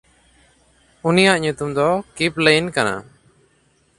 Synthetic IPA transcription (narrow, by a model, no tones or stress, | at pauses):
unijaʔɲut̪umd̪ɔkiplejnkana̰